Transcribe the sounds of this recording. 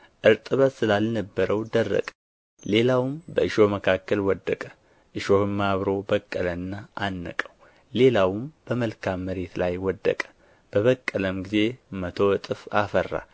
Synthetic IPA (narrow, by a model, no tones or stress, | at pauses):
ʔɨɾt̪ʼɨβət̪sɨlalnəbːəɾəwd̪ərːə̰kʼ | le̞lawmbəɨʃo̞məkʰakːəlwɔd̪ːəkʼə̥ | ʔɨʃo̞hɨmːaβɾo̞bəkʼːələnːaanːə̰kʼəw | le̞lawmb̥əməlkʰamːəɾe̞t̪lajwɔd̪ːə̰kʼə̥ | b̥əβəkʼːələmɡize̞mət̪ʰo̞t̪ʼɨfafərːa̰